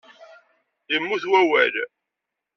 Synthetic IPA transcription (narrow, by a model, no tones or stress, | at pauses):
jəmːuθwæwæl